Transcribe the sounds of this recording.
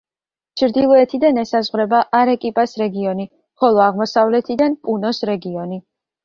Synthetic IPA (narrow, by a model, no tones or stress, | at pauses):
t͡ʃʰɾd̪ilˠɔɛt̪ʰid̪anɛsazʁɾɛbaʔaɾɛkʼipʼasɾɛɡiɔni | χɔlˠɔaʁmɔsavlɛt̪ʰid̪anpʼunɔsɾɛɡiɔni